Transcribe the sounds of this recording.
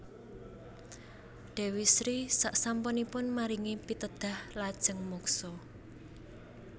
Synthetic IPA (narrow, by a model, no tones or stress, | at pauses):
ɖ̪̥e̤wisɾisaʔsampɔnipʊnmaɾiŋepit̪əd̪̥a̤hlad̥ʒ̥ə̤ŋmɔksɔ